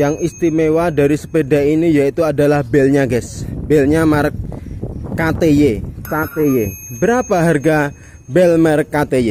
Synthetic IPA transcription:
jaŋist̪imewadaɾisə̥pedainijait̪uadalahbɛlɲaɡɛsbɛlɲamaɾək̚ː | at̪ejekat̪ejebəɾapaɦarɡa | bɛlmaɾəkːat̪eje

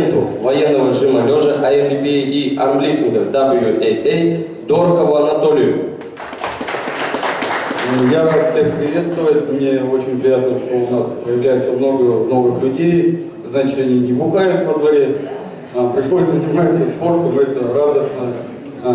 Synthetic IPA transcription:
nt̪ʊvɐjenːəvəɾʲʐɨməlʲoʐəʔɐɛnd̪ʲɪpʲeiɐ̰rmblʲisʲɪnɡəd̪ablˠjuʔee | d̪orkəvʊɐnɐt̪o̞lʲɪjʊ | jaɾassʲekpɾʲɪvʲe̞t̪st̪vəvətʲmnʲe̞ot͡ɕɪnʲpɾʲɪjat̪̚nəʂt̪o̞ʊnaspəjɪvlʲæjɪt̪səmno̞ɡəmno̞vɨxlʲʉdʲej | znat͡ɕɪ̥t̪ɐnʲinʲɪbʊxajʊt̪vəd̪vɐɾʲe | apɾʲɪxo̞dʲɪt̪zənʲɪmat̪səspo̞rt̪əmɛt̪əravd̪əsnə

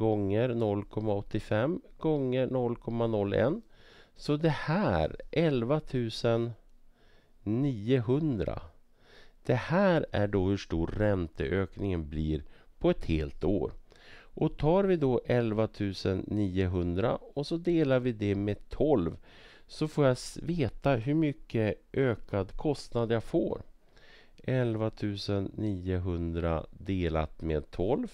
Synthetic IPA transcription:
ɡɔŋːəɾnɔlːkʰɔmːaɔt̪ːɪfɛmɡ̥ɔŋːənɔlːkʰɔmːanɔlːɛ̰nːsɔd̪ɛhæːɾʔɛlvat̪ʰʉ̟ːsən | iːəɦɵnd̪ɾa̰ | d̪̥ɛhæːɾæɖɔhɵʂʈuːɾːɛnt̪ʰəʔøːknɪŋənbliːɾpʰɔɛt̪hḛːlt̪o̰ːɾ | ʔɔt̪ʰɑːɾvɪd̪ɔʔɛlvat̪ʰʉ̟ːsənːiːəɦɵnd̪ɾa̰ɔsɔd̪eːlaɾvɪd̪ɛmɛt̪ʰɔlv | sɔfoːjaveːt̪aɦɵɾmʏkːəʔøːkad̪kʰɔst̪nad̪jafo̰ːɾ | ʔɛlvat̪ʰʉ̟ːsənːiːəɦɵnd̪ɾa̰d̪eːla̰t̪meːd̪̚t̪ʰɔlv

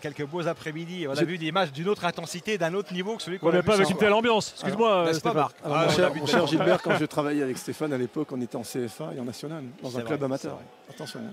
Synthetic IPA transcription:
kʲɛlkəbozapχɛmid̪iɔ̃naveylezimaʒd̪ynot̪χɛ̃t̪ɑ̃sit̪ed̪ɛ̃not̪χnivokə̥səlɥikɔ̃mɛpaavɛkkynt̪ɛlɑ̃bjɑ̃ssyzmwast̪efaʁãʃɛmɔ̃ʃɛʁʒilbɛʁkɑ̃ʒət̪χavajɛavɛkst̪efanalepɔkɔ̃net̪ɛɑ̃seɛfaeɑ̃nasjɔnald̪ɑ̃zɛ̃klœbamat̪œ̰ʁwɛ̰ | at̪ɑ̃sjɔ̰̃

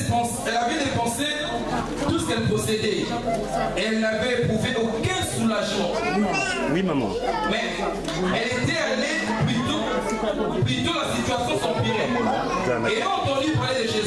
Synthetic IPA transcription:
fɑ̃s | ɛlavɛd̪efɑ̃se | t̪usə̥kɛlpɔsed̪ɛ | eɛlnavɛpχuveʔokɛ̃sulaʒmɑ̃ | wimamɑ̰̃mɛ | ɛlet̪ɛale | plyt̪o | plyt̪olasit̪yasjɔ̃sɑ̃piʁɛ | elãɑ̃t̪ɑ̃d̪ypaʁled̪eʒe

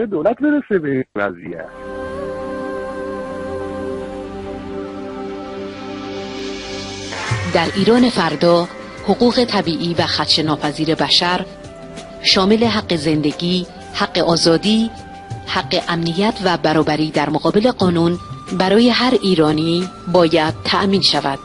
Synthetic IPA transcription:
ed̪olæt̪̚beɾesebeivæ̰zḭjæ̰t | d̪æɾʔiːɾɒːne̞fæɾd̪ɒː | hoɣuːɣe̞t̪ʰæbiːʔiːvæxæt̪ʰʃenɒːpʰæziːɾe̞bæʃæɾ | ʃɒːme̞le̞ɦæɡːe̞ze̞nd̪e̞ɟiː | hæɢːeʔɒːzɒːd̪iː | hæɢːe̞ʔæmnijæt̪ʰvæbæɾɒːbæɾiːd̪æɾmoɣɒːbe̞le̞ɢɒːnuːnbæɾɒːje̞ɦæɾiːɾɒːniːbɒːjæd̪̥̚t̪ʰæʔmiːnʃævæd̪̥

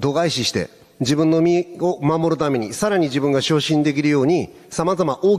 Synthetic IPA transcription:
d̪o̞ɡaiɕiɕi̥t̪e̞̰ | d͡ʑibɯ̟̃nːo̞mʲio̞mamo̞ɾɯ̟t̪ame̞ɲ̟isaɾaɲ̟id͡ʑibɯ̟̃ŋɡaɕoːɕĩnd̪e̞k̬ʲiɾɯ̟jo̞ːɲ̟i | samazamaʔo̞ː

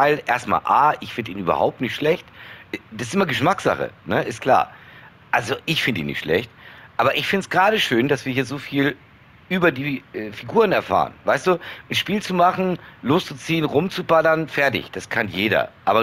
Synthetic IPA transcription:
aɪlʔeːɐstma̰ːlʔaːʔɪçfɪndəiːnʔyːbɐ̰ha̰ʊp̚tnɪçtʃlɛçtd̥asɪsʔɪmɐɡəʃmakz̥a̰χə̰nəʔɪstkʰl̥a̰ːɐ | ʔalzoʔɪçfɪndəḭːnɪ̰çtʃlɛ̰çtʔaːbɐʔɪçfɪntsɡ̥ʁaːɾəʃøːndasv̥iːɐhiːɐzoːfiːl | ʔyːbɐdiːɛːfiɡuːʁ̞ənɛɐfa̰ːʁə̰nvaɪstd̥uːnʃpiːlt͡sumaχn̩loːst͡sut͡siːənʁʊmt͡subalɐnfɛɐtɪ̰çd̥askʰanjeːɾɐ̰ʔaːbɐ

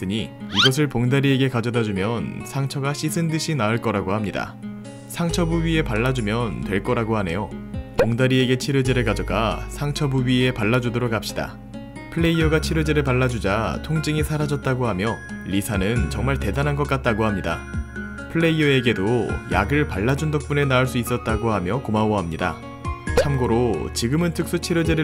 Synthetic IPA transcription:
t͈ɯɲiiɡʌsʰɯɭpoŋdaɾie̞ɡe̞kad͡ʑʌdad͡ʑumjʌnsʰaŋt͡ɕʰʌɡaɕʰisʰɯndɯɕʰinaɯɭk͈ʌɾaɡohamɲida̰ | sʰaŋt͡ɕʰʌbuɥie̞paɭːad͡ʑumjʌntwe̞ɭk͈ʌɾaɡoɦhane̞jopoŋdaɾieɡe̞t͡ɕʰiɾɯd͡ʑeɾɯɭkad͡ʑʌɡa̰sʰaŋt͡ɕʰʌbuɥie̞paɭːad͡ʑudoɾokap̚ɕ͈ida̰ | pʰɯɭːe̞iʌɡat͡ɕʰiɾɯd͡ʑeɾɯɭpaɭːad͡ʑud͡ʑatʰoŋd͡ʑiŋisʰaɾad͡ʑʌt̚t͈aɡohamjʌʎisʰanɯnt͡ɕʌŋmaɭte̞danɦanɡʌk͈at̚t͈aɡohamɲida | pʰɯɭːe̞iʌe̞ɡe̞doja̰ɡɯɭpaɭːad͡ʑundok̚p͈une̞naɯɭs͈uis͈ʌt̚t͈aɡohamjʌkomawʌɦamɲida̰ | t͡ɕʰamɡoɾot͡ɕiɡɯmɯntʰɯk̚s͈ut͡ɕʰiɾɯd͡ʑeɾɯ

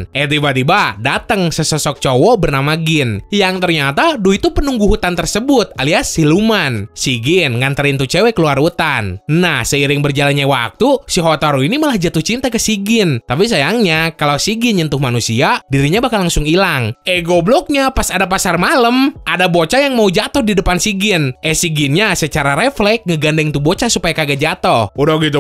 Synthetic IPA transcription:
ʔɛt̪ibat̪ibahdat̪əŋsəsəsɔk̚t͡ʃowɔbərnamaɡɪnjaŋt̪ərɲat̪aduit̪upənuŋɡuɦut̪ant̪ərsəbʊt̪̚aliasilumansiɡɪnŋant̪əɾint̪ut͡ʃɛwɛkəluarut̪anːahsəiɾɪŋbərd͡ʒalanɲawa̰k̚t̪usiɦoat̪aɾuinimalahd͡ʒat̪uht͡ʃint̪akəsiɡɪnt̪ap̬is̬ajaŋɲakalasiɡɪnɲənt̪ʊhmanusiadiɾiɲabakanlaŋsʊŋilaŋʔɛɡoblɔk̚ɲapasadap̬asarmaləmʔadabot͡ʃajaŋmaud͡ʒat̪ɔhdidəpansiɡɪnʔɛsiɡɪnɲasət͡ʃaɾaɾeflɛk̚ŋəɡandɛŋt̪ubot͡ʃasupajakaɡad͡ʒat̪ɔhudaɡit̪u

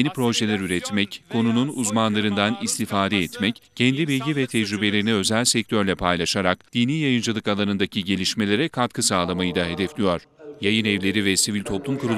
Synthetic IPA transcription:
nipɾo̞ʒe̞lʲæɾyɾɛt̪mɛckʰo̞nununuzmanlˠaɾɯnd̪anist̪ifaːd̪ɛːt̪mɛccʰɛnd̪ibilʲɟivɛt̪ʰɛd͡ʒɾybelʲe̞ɾiniø̞zælʲsɛc̚t̪ʰøɾlʲɛpʰajlˠaʃaɾakd̪̥iːniːjajɯnd͡ʒɯlˠɯkalˠanɯnd̪acʰiɟe̞lʲiʃme̞lʲe̞ɾɛkʰat̪kʰɯsaːlˠamajɯd̪aɦe̞d̪ɛflʲijoɾ̥jajɯnɛvlʲe̞ɾivɛsivilʲt̪ʰo̞plˠumkuɾu

